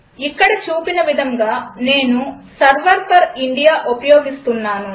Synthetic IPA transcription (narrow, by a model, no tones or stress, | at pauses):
ikːɐɽɐt͡ʃuːpinɐʋid̪ʱɐŋɡaːne̞ːnusɐɾʋɐɾpʰɐɾiɳɖijaːʔopɐjoːɡist̪unːaːnu